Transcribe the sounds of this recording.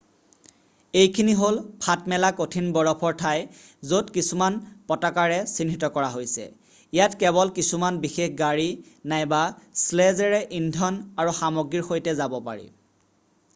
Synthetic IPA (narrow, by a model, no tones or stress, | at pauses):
ejkʰiniɦolpʰatmɛlakotʰinbɔɹɔpʰɔɹtʰaj | zotkisumanpɔtakaɹɛsinʱitɔkɔɹaɦojsɛ̰ | ijatkɛβɔlkisumanbixexɡaɹinajbaslɛzɛɹɛʔindʱɔnaɹuxamɔɡiɹxojtɛzabɔpa̰ɹḭ